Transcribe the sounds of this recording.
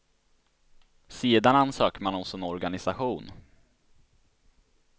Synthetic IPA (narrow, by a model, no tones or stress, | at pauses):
seːd̪anansøːkəmanɔsɔɛnɔɾɡanɪsaɧuːn